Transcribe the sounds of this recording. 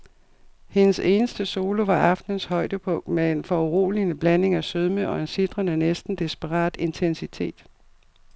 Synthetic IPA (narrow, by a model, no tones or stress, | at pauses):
he̝nəse̝ːnəsd̥əso̝ːlo̝ʋɑ̈ʔɑ̈fd̥nən̩shɒ̽ɪd̥əpʰɔ̽ŋ̰d̥meenfɒuʁo̰ːlinəb̥læne̝ŋæsøðˠməʔɒ̽e̝nsid̥ʁɐnənesd̥n̩d̥esb̥əʁɑ̰̈ːd̥e̝nt͡sʰensit͡sʰe̝̰ːd̥